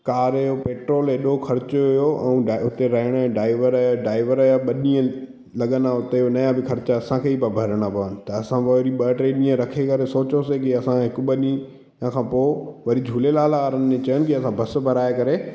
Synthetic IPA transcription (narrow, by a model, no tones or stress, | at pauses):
kaːɾjopeːʈɾoːleːɗoxʰɐɾɪt͡ɕʊʊjoʔɛ̃ũɖʊt̪eɾɐɦɪɽ̃ɖaːɪʋəɾjaɖaːɪʋəɾɐjaɓɐɗĩːə̃ | lɐɠənaʊt̪eonɐjãbɪkʰɐɾɪt͡ɕaɐsãkʰeːiːbabʱɐɾəɽ̃apɐʋənɪ̆t̪ɐɐsãʋoɾiɓɐʈɾeːɗĩːə̃ɾɐkʰekɐɾesoːt͡ɕosekɪɐsãɦɪkɓɐɗĩ | ãkʰãːpoːʋɐɾid͡ʑʱuːlelaːlaaːɾənɪmẽt͡ɕɐjənɪ̆kɪɐsãbʱɐs̆bʱɐɾaːekɐɾe